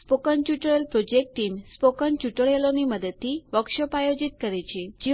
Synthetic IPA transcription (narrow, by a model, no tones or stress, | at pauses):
spokənt͡ɕuʈəɭelpɾod͡ʒek̚ʈʈːimspokənt͡ɕuʈəɭeloniməd̪ət̪ʰːiʋəkʃəpajod͡ʑit̪̚kəɾet͡ɕʰed͡ʒi